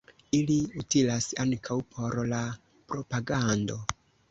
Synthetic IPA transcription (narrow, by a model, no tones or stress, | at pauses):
iliutilasaŋkʰawpʰo̞ɾla | pɾo̞paɡando̞